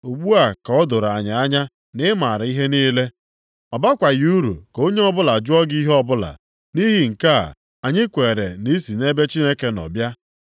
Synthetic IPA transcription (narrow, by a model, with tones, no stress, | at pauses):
u˨ɡ͡bu˦a˨kɔ˦dʊ˨ɾa˨ɲa˨a˦ɲa˦ | nɪ˦ma˨ɾa˨i˦ɦe˦niː˦le˦ | ɔ˨ba˦kʷa˨jɾṵ˨ko˦ɲe˦ɔ˦bʊ˦la˨d͡ʒʊ˦ɔ˦ɡi˦ɦɔ˦bʊ˦la̰˨ | ni˦ɦi˦ŋ̩˨ka̰˦˨ | a˨ɲɪ˦kʷe˨ɾe˨ni˦si˨ne˦be˦t͡ʃi˦ne˦ke˦nɔ̰˨bja˦